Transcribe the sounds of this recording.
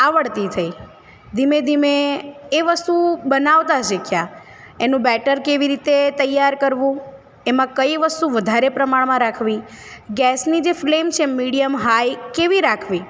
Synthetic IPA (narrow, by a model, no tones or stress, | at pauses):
aʋəɽt̪it̪ʰəi | d̪ʱimẽd̪ʱimeːʋəst̪ubənaʋt̪at͡ʃʰekʰja | enũbɛʈəɾkeʋiɾit̪et̪əjːaɾkəɾʋũ | emãkəjiʋəst̪uʋəd̪ʱaɾepɾəmaɭmãɾakʰʋi | ɡɛsnid͡ʒeflemt͡ʃʰemiɽijəmɦajkeʋiɾakʰʋi